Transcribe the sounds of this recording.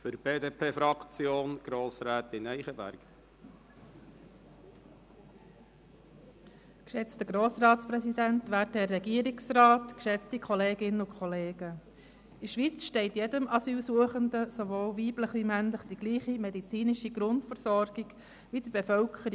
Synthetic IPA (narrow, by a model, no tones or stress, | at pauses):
fʏɾbeːd̪epʰeːfɾɑkt͡sjoːnɡ̥ɾoːsɾæːt̪ɪnɛɪχəvæ̰ɾɡ̥ | kʃɛt͡stəɡ̥ɾoːsrɑːtt͡spɾɛsid̪ænt̪ʋæːtɛrːɛɡiəɾɪksrɑːt̪kʃɛt͡stikʰɔleːɡɪnəʊkʰχɔleːɡə | ɪʃʋit͡sʃtɛɪtjɛdəmɑsyːlsuəχəndəsoʋoːlʋiːbləχʋimænləχd̥iɡ̥liːχimɛd̪it͡siːnɪʃiɡ̥ɾʊntfəɾsɔɾɡ̥iɡ̥ | ʋid̥̪əb̥efœlkʰəɾ